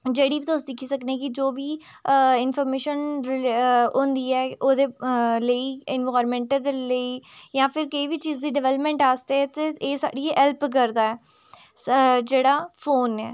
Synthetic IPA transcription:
d͡ʒeːɽiːʋit̪ʊsd̪ɪkʰːiːsəkneːkɪd͡ʒoːʋiː | ɪnpʰɔːɾmeːʃən | õːnd̪iːɛːoːd̪eːləiːɪnʋaːɾmɛ̃ːɳʈəd̪eləiːjãːpʰɪɾkəiːʋiːt͡ʃiːzd̪iːɖɛʋɛːləpmɛ̃ːɳʈaːst̪eɛːt̪eeːsa̰ːɖiːɛlpk̬əɾd̪aːɛː | d͡ʒeːɽaːpʰoːnɛː

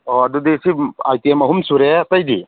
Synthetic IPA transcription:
ɔad̪ud̪isia̰jt̪iemɐɦumsuɾɛt̪ajd̪ḭ

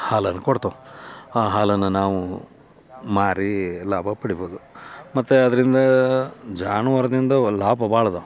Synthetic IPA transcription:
haːlɐnːɐkoɽt̪oaːɦaːlɐnːɐnaːʋu | maːɾilaːbʱɐpɐɽiboːd̪umɐt̪ːeɐd̪ɐɾind̪ɐd͡ʒaːnuʋɐɾɐd̪ind̪ɐlaːbʱɐbaːɭɐd̪u

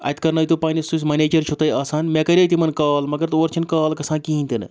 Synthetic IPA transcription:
ɐ̰t̪ʰkɐɾnɐjt̪upaːnisus̬ʲmɐneːd͡ʒɐɾt͡ʃʰot̪ɐjaːsaːnmʲekɐɾʲɐt̪imɐnkaːlmɐɡɐɾt̪oːɾt͡ʃʰɐnkaːlkɐsãːnkiːnʲt̪ɨnɨ̰

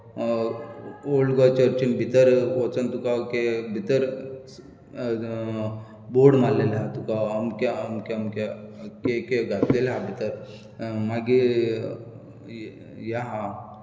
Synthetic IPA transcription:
olɡat͡ɕəɾt͡ɕinbʱit̪əɾʋɔt͡sənt̪ukakebʱit̪əɾ | boɽmalːelɦat̪ukaːmkaəmkemkakekeɡat̪lelɦabʱit̪əɾ | maɡi | jaɦa

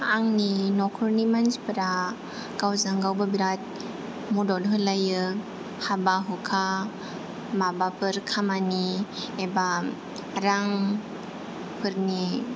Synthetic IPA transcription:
aŋninɔkʰɯɾnimanspɯɾa | ɡawzaŋɡawbabiɾat̚ | mudɔlɦɯlajɯ | habaɦukʰa | mabapʰɯɾkʰamanieba | ɾaŋ | pʰɯɾni

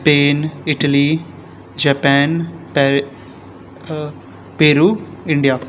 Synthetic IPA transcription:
speːnɪʈəliː | d͡ʒɛːpɛːnpː | peːɾuːɪɳɖijaː

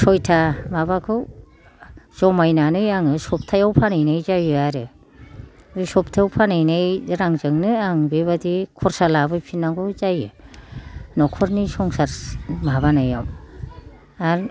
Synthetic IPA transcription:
sɔjtʰamabakʰɯw | z̥ɔmajnanɯjaŋɯsɔp̚tʰajawpʰanajnajzajɯaɾɯ | dɯsɔp̚tʰajawpʰanajnajɾaŋzɯŋnɯaŋbeβadikʰɔɾsalabɯjpʰinːaŋɡɯzajɯ | nɔkʰɔɾnisɔŋsaɾmaβanajaw | aɾ

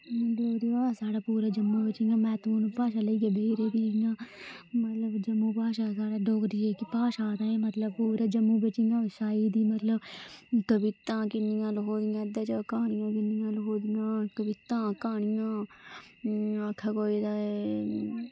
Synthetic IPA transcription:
ɖoːkɾiaːsaːɽaːpuːɾaːd͡ʒəmːuːbət͡ʃiŋɡãːmɛːt̪uːnpaːʃaːləiːkebʱeːɾeːb̪iːiŋãːmət̪ləbd͡ʒəmːuːpaːʃaːsaːɽaːɖoːkɾieːkipaːʃaːt̪aːẽːmət̪ləb̚puːɾaːd͡ʒəmːuːbət͡ʃiŋɡãːʋɪsaːiːd̪iːmət̪ləbkəʋɪt̪ãːkɪnɪjãːlɦoːd̪ɪjãːd̪aːt͡ʃaːkaːɳ̃ɪjãːkɪnɪjãːlɦoːd̪ɪjãːkəʋɪt̪ãːkaːɳ̃ɪjãː | əkʰːaːkoːid̪aːe

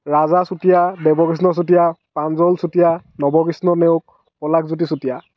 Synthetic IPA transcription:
ɹazasutijadɛbɔɡis̬nɔs̬utijapanzɔlsutijanɔbɔɡisnɔneʊk̚ | pɔlakzut̬isutija

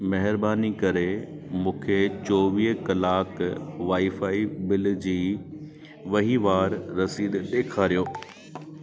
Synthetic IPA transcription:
mɐɦɪɾbaːnikɐɾemũːkʰet͡ɕɔːʋiːɦkɐlaːkʋaːifaːibɪl̆d͡ʑiː | ʋɐɦiʋaːɾːɐsiːd̪ɗ̪eːkʰaːɾijoː

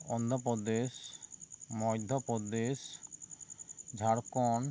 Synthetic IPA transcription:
ɔnd̪ʱɔpɔd̪eʃ | mɔjd̪ʱɔpɔd̪eʃ | d͡ʒʱaɾkɔn

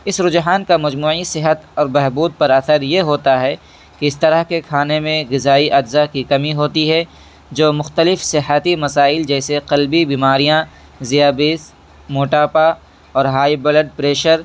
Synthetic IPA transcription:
ɪsɾʊd͡ʒɦaːnkamɐd͡ʒmuːʕisɪɦət̪ɔːɾbɛɦbuːd̪̚pɐɾɐθəɾjeɦoːt̪aɦɛ | kiɪst̪ɐɾəɦkekʰaːnemẽɣɪzaːiʔɐd͡ʒzakikɐmiɦoːt̪iɦɛ | d͡ʒoːmʊxt̪əlɪfsɪɦət̪imɐsaːɪld͡ʒɛːseqɐlbibiːmaːɾijã | zijaːbiːs | moːʈaːpa | ɔːɾɦaːibɐləɖ̚pɾeːʃəɾ

